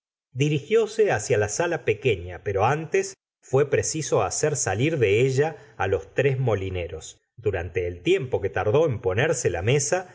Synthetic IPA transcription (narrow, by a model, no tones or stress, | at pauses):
d̪iɾixjo̞seasjalasalape̞ke̞ɲape̞ɾo̞ant̪es | fwe̞pɾesiso̞aseɾsaliɾðe̞eʒaːlo̞st̪ɾe̞zmo̞line̞ɾo̞s | d̪uɾant̪e̞ːlt̪je̞mpo̞ke̞t̪aɾðo̞empo̞neɾsela̰me̞sa